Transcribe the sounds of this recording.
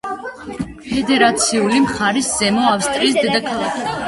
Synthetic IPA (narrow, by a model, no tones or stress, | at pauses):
pʰɛd̪ɛɾat̪sʰiulimχaɾisz̥ɛmɔafst̪ʼɾiːsd̪ɛd̪akʰalˠakʰi